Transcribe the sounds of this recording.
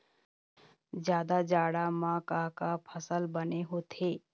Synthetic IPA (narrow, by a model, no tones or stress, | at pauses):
zjaːd̪ad͡ʒaːɽamãːkakapʰəsəlbəneɦot̪ʰeː